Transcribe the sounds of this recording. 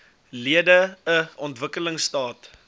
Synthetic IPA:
liədəəɔntvəkələŋstɑːt

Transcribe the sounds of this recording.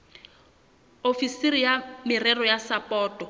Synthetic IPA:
ofisirijamɪrɛrɔjasapʼɔːtʼɔ

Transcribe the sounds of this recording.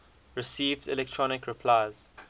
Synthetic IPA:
ɹɪsiːvdɪ̰lɛk̚tʰɹɔnɪkɹɪpʰlaɪz̥

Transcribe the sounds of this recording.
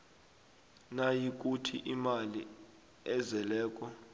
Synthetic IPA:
najik̬ʼutʰiʔimali | ɛzɛlɛːk̬ʼɔ

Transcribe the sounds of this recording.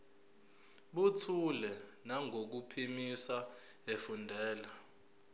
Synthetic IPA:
ɓutʰulɛnaŋʱok̬upʰimisaefundʱɛːla

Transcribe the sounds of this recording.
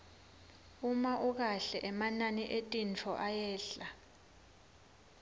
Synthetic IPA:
umaʔuk̬aɬɛʔɛmananiʔetʼint͡fʰɔʔajɛːɬa

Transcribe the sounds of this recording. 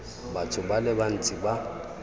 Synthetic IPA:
batʰʊbalɪban̩t͡sʼiba

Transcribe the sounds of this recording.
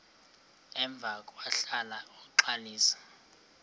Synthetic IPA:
ɛɱb̪vʱakʼwaɬalauǃaliːsḁ

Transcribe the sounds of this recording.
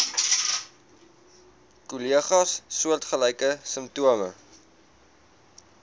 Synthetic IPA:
kuliəχɑsːuərtχəlɛjkəsəmptuəmə

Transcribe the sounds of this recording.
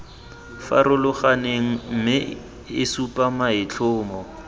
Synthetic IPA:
fa̰ɾʊlʊχaneŋ̩m̩mɪ | ɪsupʼamaɪt͡ɬʰʊːmɔ

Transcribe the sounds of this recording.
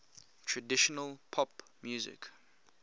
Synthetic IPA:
tʰɹədɪʃɔnəlpʰɔp | mjuːzɪ̰k

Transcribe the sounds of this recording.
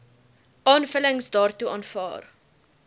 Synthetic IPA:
ɑːnfələŋsdɑːrtuɑːnfɑ̰ːr

